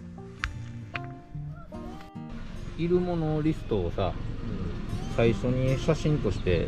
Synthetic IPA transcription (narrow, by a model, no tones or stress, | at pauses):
iɾɯ̟mo̞noɾʲisɨ̥t̪o̞ːsa | saiɕo̞ɲ̟iɕaɕĩnt̪o̞ɕi̥t̪e̞